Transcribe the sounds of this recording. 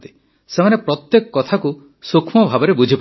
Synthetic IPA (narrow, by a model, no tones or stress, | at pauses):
t̪i̥ | semanepɾɔt̪jekɔ̥kɔt̪ʰaku | sukʰmɔbʱabɔɾebud͡ʒʱipa